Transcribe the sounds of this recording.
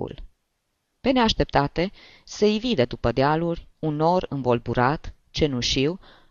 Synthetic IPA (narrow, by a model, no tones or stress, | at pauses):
ṵl | pe̞ne̞aʃt̪e̞p̚t̪at̪e̞ | seivid̪ed̪upəd̪ealuɾʲuno̞rɨ̰nvo̞lbuɾat̪ | t͡ʃe̞nuʃiw